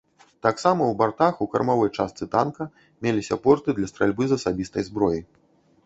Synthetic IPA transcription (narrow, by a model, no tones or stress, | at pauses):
t̪aksamɐwbart̪axukɐrmavɔjt͡ʂast̪sɨt̪a̰nkɐ | mʲelʲisʲɐpɔrt̪ɨd̪lʲɐst̪ɾalʲbɨzɐsabʲist̪ɐjzbɾɔji